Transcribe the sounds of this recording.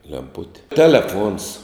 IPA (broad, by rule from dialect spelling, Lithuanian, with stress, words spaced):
lʲɛmˈpʊtʲɪ tʲɛlʲɛˈfuɔns